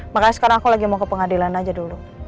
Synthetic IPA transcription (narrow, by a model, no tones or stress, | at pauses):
makaɲasə̥kaɾaŋakulaɡimakəpəŋadilanad͡ʒadulu